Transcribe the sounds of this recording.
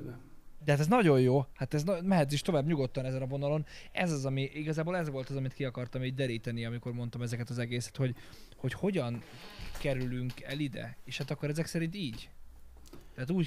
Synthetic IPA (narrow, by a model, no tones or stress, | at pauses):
d̪ɛɦat̪ɛznɒɟo̞jjoːhat̪ɛznmɛɦɛt̪ziʃt̪o̞vaːbɲuɡo̞t̪ːɒnɛzɛnɒvo̞nɒlo̞nɛ̰zɒzɒmiʔiɡɒzaːbolɛzʋo̞lt̪ɒzɒmit̪kiɒkɒrt̪ɒmiːɟd̪ɛɾiːt̪ɛniɒmiko̞rmo̞nt̪ɒmɛzɛkɛt̪ɒzɛɡeːsɛ̥t̪ho̞ɟ | ho̞cho̞ɟɒn | kɛɾylyŋkɛ̰lid̪ɛ̰eːʃhat̪ɒkːo̞ɾɛzɛksɛɾint̪iːɟ | t̪ɛɦːt̪uːɟ